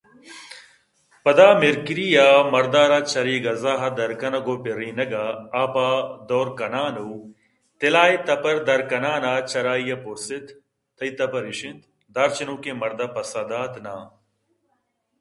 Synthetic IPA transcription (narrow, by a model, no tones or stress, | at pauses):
pɐd̪aːmeɾkiɾijaːmɐɾd̪aːɾat͡ʃɐɾiːɡɐzaːɦɐd̪ɐɾkɐnɐɡoːpeɾiːnɐɡaːpad̪oːɾkɐnaːnuw | t̪elaːit̪ɐpɐɾd̪ɐɾkɐnaːnaːt͡ʃɐɾaːijɐpoɾsit̪ː | ɐit̪ɐpɐɾiʃĩnt̪ | d̪aːɾt͡ʃinuːkemɐɾd̪ɐpɐsaːd̪aːt̪naː